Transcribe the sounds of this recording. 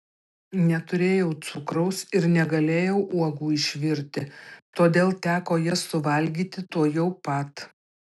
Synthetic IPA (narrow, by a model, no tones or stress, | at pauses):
nʲɛt̪ʊɾʲeːjɛʊt̪sʊkɾɐʊsɪɾnʲɛɡɐlʲeːjɛʊʔuɔɡuːɪʃʲʋʲɪɾʲt̪ʲɪt̪oːd̪ʲeːlˠt̪ʲæːkoːjɛsʊʋɐlʲɡʲiːt̪ʲɪt̪uɔjɛʊpɐt̪